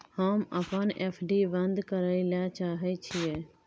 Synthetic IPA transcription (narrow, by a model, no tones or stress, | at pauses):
həməpəneːpʰɖibə̃nd̪kəɾəilaːt͡ʃaːɦət͡ʃʰiɛ